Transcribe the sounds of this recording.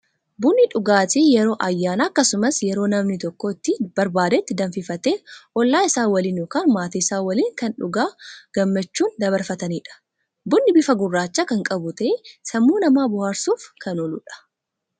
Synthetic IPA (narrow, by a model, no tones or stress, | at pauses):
bʊnːɪᶑʊɡaːt̪ijɛɾo̞ːʔɐjːaːnaːɐkːɐsʊmɐsjɛɾo̞ːnɐmnɪt̪ɔkːoːɪt̪ːɪb̥ɐɾbaːd̪ɛt̪ːɪd̪ɐɱfɪfɐt̪eːʔɔlːaːɪsaːwɐliːnjokaːnmaːt̪iɪsaːwɐliːŋkɐnᶑʊɡaːɡ̥ɐmːɐt͡ʃːuːnd̪ɐβɐɾfɐt̪ɐniːᶑɐ̥ | bʊnːɪbɪfɐɡʊrːaːt͡ʃːaːkɐŋkʼɐbʊt̪ɐʔesɐmːuːnɐmaːbʊhaːɾsuːfkɐnɔlʊ̰ᶑɐ̥